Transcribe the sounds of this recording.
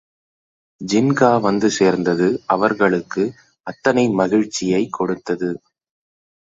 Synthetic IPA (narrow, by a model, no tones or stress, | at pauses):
d͡ʒɪnɡaːʋɐnd̪ɯseːɾnd̪ɐðɯɐʋɐɾɣɐɭɯkːɯ | ɐt̪ːɐnɐɪmɐɣɪɻt͡ʃːɪjɐɪkʰːɔɽɯt̪ːɐðɯ